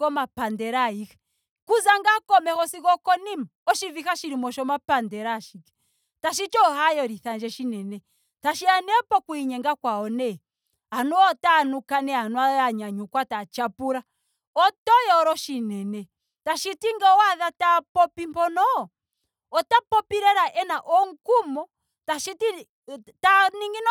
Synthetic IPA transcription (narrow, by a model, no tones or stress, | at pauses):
kɔmapandɛɾaikɛ̥ | kuzaŋɡakɔmɛkɔsikɔkɔnimaɔʃivikaʃiɾimɔʃɔmapandɛɾaʃikɛ̥ | taʃit͡ʃɔhajɔɾiθand͡ʒɛʃinɛnɛ | taʃianɛpɔkuiɲɛŋɡakwaɔnɛ | anuɔtanukanɛanuaaɲaɲukwatat͡ʃapuɾa | ɔtɔjɔɾɔʃinɛnɛ | taʃitiŋɡɛwaðatapɔpimpɔnɔ | ɔtapɔpiɾɛɾaʔɛnaʔɔŋ̩kumɔ | taʃiti | taniŋɡin